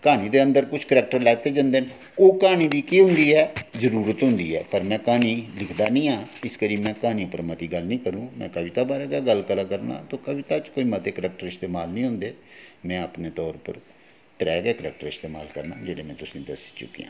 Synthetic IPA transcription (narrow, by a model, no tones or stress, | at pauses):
kaːñiːd̪eːənd̪əɾkʊt͡ʃʰkəɾɛːk̚ʈəɾlɛɡt̪eːd͡ʒãːnd̪eːn | oːkaːñĩːd̪iːkiːɦʊ̃nd̪iːɛːzəɾuːɾət̪ɦʊ̃nd̪ḭːɛ̰ːpəɾmɛ̃ːkaːniːlɪkʰd̪aːnĩːãːɪskəɾiːmɛ̃ːkaːnĩːpəɾmət̪iːɡəlnĩːkəɾũːmɛ̰̃ːkəʋɪt̪aːbaːɾɛːɡaːɡəlkəlaːkəɾna̰ːt̪oːkəbɪt̪aːt͡ʃkoːiːmət̪eːkəɾɛːk̚ʈəɾɪst̪eːmaːlnĩːɦʊ̃nd̪eːmɛ̃ːəpneːt̪ɔːɾpə̰ɾ | t̪ɾɛːɡɛːkəɾɛ̰ːk̚ʈəɾɪst̪eːmaːlkəɾna̰ːd͡ʒeːɽeːmɛ̃ːt̪ʊsĩːd̪əsi̥t͡ʃʊ̰kːḭjã̰ː